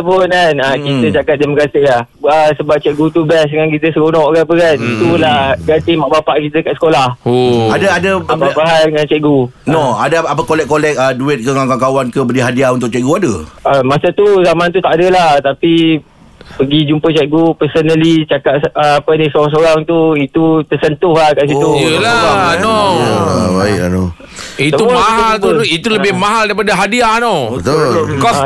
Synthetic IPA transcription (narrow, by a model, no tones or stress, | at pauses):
əpʊnkanakit̪ət͡ʃakat̪̚dɛmakasilah | əsəbap̚t͡ʃɛʔɡut̪ubɛs̬dəŋankit̪əsəkunɔʔkapəkanit̪ulaɡant̪imaʔbapaʔkit̪əkaʔsə̥kolahadaadəababaɦaəŋant͡ʃɛʔɡu | noadaapəkolɛk̚kːolɛk̚əduɪt̪̚kəŋaŋkakawankəbədiɦadiaunt̪ʊk̚t͡ʃɛʔɡuadəamasət̪uzamant̪ut̪aʔadəlaht̪api | pəɡid͡ʒumpət͡ʃɛʔɡupəsənəlit͡ʃakaʔəapənisoɾaŋs̬oɾaŋt̪uit̪ut̪əsənt̪ʊhlahkaʔsiuəlaano | baɪʔa̰no | isəumaɦalt̪uit̪uləbɪhmãɦaldaɾipadaɦadianɔt̪kɔs